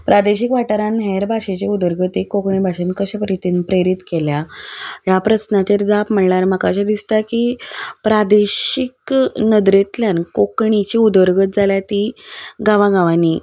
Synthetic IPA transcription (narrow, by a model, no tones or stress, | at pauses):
pɾʔad̪eɕikʋaʈəɾãnɦɛɾbʱaɕet͡ɕeud̪əɾɡət̪ekːokɳibʱaɕenkəɕapɾit̪inpɾeɾit̪keljajapɾəsnat̪eɾd͡zapm̤əɳlaɾməkaɕad̪ist̪akipɾad̪eɕiknəd̪ɾet̪ljankokɳit͡ɕiud̪əɾɡət̪̚d͡zaljat̪iɡaʋãɡaʋani